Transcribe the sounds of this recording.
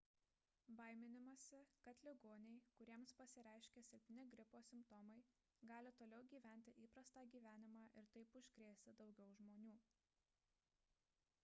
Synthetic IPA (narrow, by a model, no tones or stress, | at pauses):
bɐɪmʲɪnʲɪmɐsʲɪkɐt̪lʲɪɡoːnʲɛɪkʊɾʲiɛmspɐsʲɪɾʲæˑɪʃʲkʲeːsʲɛpʲt̪ʲɪnʲɪɡɾʲɪpoːsʲɪmpt̪ɔmɐɪ | ɡɑːlʲɪt̪oːlʲɛʊɡʲiːʋʲæˑnʲt̪ʲɪʔiːpɾɐst̪ɑːɡʲiːʋʲæːnʲɪmɑːʔɪɾt̪ɐɪpʊʃʲkɾʲeɛsʲt̪ʲɪd̪ɒʊɡʲɛʊʒmoːnʲuː